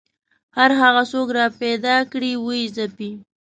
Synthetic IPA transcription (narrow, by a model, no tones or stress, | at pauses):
haɾɦaɣasokɾɑped̪ɑkɽiwəizapi